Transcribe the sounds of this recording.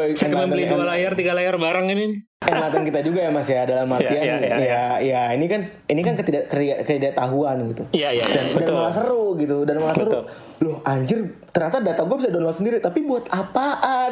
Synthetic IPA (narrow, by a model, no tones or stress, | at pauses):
sŋkəmalialajart̪iɡalajarbaɾaŋini | aŋmat̪ankit̪ad͡ʒuɡajamasjadalamat̪ianjajainikan | inikankət̪idaʔkət̪iɡakət̪idaʔt̪aɦuanɡit̪ujajadandamalas̬əɾʊɡit̪udanmalasəɾʊ | lʊhʔaɲd͡ʒɪrt̪ərɲat̪adat̪aɡuabis̬adɔnlɔksəndiɾit̪apibuat̪apaʔ